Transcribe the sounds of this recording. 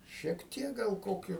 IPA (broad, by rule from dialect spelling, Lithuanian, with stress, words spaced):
ʃʲiɛk ˈtʲiɛk ɡɐlˠ ˈkoːkʲʊ